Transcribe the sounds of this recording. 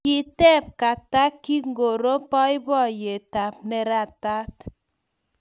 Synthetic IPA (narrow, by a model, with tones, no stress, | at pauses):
i˨tɛ˦p̚ka˨ta˦kːi˦ŋ˦ɡo˨ɾo˦pɔ˦ɪ˦bɔ˦˨je˨ta˨p̚nɛ˨ɾa˦˨ta˦t